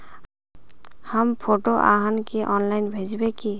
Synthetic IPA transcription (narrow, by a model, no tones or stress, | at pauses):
hampʰoʈoʔa̰ɦankiʔɔnlajnbʱed͡ʒbeki